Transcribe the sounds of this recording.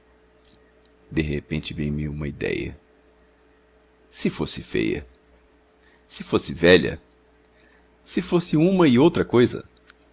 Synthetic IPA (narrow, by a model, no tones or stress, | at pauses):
d̪eɦepẽnt͡ʃɪbẽj̃miũmɐid̪ɛ̰jɐ̰ | sɪfosɪfḛjɐ̰ | sɪfosɪvɛʎɐ̰ | sɪfosɪũmɐɪowt̪ɾɐkojzɐ̰